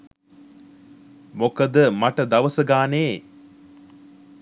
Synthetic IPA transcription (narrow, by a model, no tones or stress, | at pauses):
mokəd̪əmaʈəd̪ɐʋəsəɡaːneː